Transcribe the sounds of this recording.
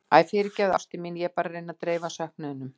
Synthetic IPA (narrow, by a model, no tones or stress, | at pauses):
a̰ðfɪːɾɪcɛða̰st̪ɪmiːnjɛpaːɾarejnat̪ɾeːjvasahknɪðʏnːʏm